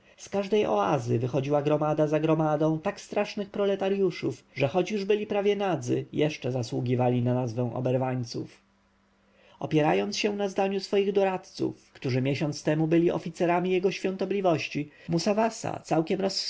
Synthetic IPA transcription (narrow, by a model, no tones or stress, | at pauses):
skaʐd̪ɛjɔ̰a̰zɘ̰vɘxɔd͡ʑiwaɡɾɔmad̪azaɡɾɔmad̪ɔ̃w̃t̪akst̪ɾaʂnɘxpɾɔlɛt̪aɾjuʂufʐɛxɔt͡ɕjuʐbɘlʲipɾavʲjɛnad̪zɘ̰jɛʂt͡ʂɛzaswuɡʲivalʲinanazvɛ̃w̃ʔɔ̰bɛɾvaɲt̪sṵf | ɔ̰pʲjɛɾajɔnt̪sɕɛ̃nazd̪aɲusfɔjiɣd̪ɔɾat̪t̪sṵfkt̪uʐɘmʲjɛɕɔnt̪st̪ɛmubɘlʲiʔɔ̰fʲit̪sɛɾamʲijɛɡɔɕfʲjɔ̃nt̪ɔblʲivɔɕt͡ɕi | musavasa̰t̪sawkʲɛmɾɔs